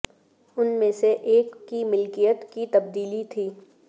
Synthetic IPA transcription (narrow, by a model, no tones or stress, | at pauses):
ʊnmẽseʔeːkːimɪlkijət̪kit̪ɐb̚d̪iːlit̪ʰiː